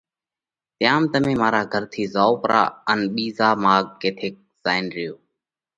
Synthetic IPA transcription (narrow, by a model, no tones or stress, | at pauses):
t̪ɪjaːmt̪əmẽːmaːɾaːɡʱəɾt̪ʰiːzaːoːpɾʔa̰ːənɓiːzaːmaːɡ̚keːt̪ʰeːk̚z̥aːɪnɾɪjoː